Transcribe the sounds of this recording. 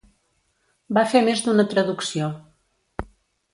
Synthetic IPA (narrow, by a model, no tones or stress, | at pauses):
bafemezd̪unət̪ɾəðuksio